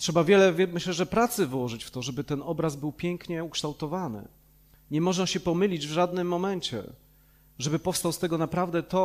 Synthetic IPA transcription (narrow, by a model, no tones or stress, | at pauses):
tʂɛbavʲjɛlɛvʲmɘɕlɛʐɛpɾat̪sɘvwɔʐɘt͡ɕft̪ɔʐɛbɘt̪ɛnɔbɾazbɘwpʲjɛŋkɲɛukʂt̪awt̪ɔvanɘ̰ | ɲɛmɔʐnaɕɛpɔmɘlʲid͡ʑvʐad̪nɘmːɔmɛɲt͡ɕɛ̰ | ʐɛbɘpɔfst̪awst̪ɛɡɔnapɾavd̪ɛt̪ɔ